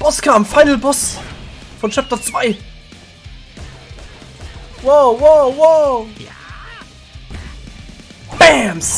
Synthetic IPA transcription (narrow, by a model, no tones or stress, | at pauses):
b̥ɔskʰaːmfaɪnəl̩bɔs | fɔnt͡ʃɛp̚tɐt͡sv̥aɪ | wowowo | b̥ɛms